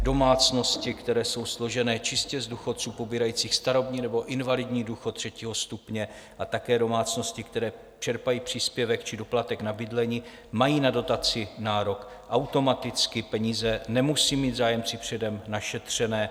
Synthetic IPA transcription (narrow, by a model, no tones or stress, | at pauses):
do̞maːt͡sno̞scɪkt̪ɛɾɛːso̞wslo̞ʒɛnɛːt͡ʃɪscɛzduxo̞tt͡suːpobiːɾajiːt͡siːxst̪aɾo̞bɲiːnɛbo̞ʔɪnvalɪdɲiːduːxot̪r̥ɛciːɦo̞st̪upɲɛ | ʔat̪akɛːdo̞maːt͡sno̞scɪkt̪ɛɾɛː | t͡ʃɛɾpajiːpr̝̥iːspjɛvɛkt͡ʃɪdo̞plat̪ɛknabɪdlɛɲiː | majiːnado̞t̪at͡sɪnaːɾo̞k | ʔawt̪o̞mat̪ɪt͡skɪpɛɲiːzɛnɛmusiːmiːd̪zaːjɛmpt͡sɪpr̝̥ɛdɛmnaʃɛt̪r̝̥ɛnɛː